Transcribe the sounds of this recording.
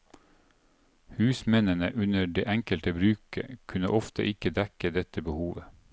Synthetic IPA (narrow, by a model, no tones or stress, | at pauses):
hʉːsmɛnənəʔʉnəɖeːʔɛŋkəlt̪əbɾʉːkə̰kʰʉnə̰ʔɔft̪ʰə̰ʔɪkəd̪ɛkəd̪ɛt̪əbəhuːʋə